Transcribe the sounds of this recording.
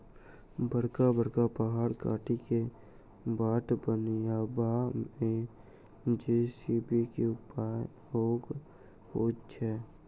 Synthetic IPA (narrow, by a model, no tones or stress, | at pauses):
bəɽkabəɽkapəɦaːɾka̰ːʈike | baːʈbənjaːbamẽ | d͡ʒiːsiːbikeʊpa | ɾoːɡ | ɦoːt͡ʃʰɛː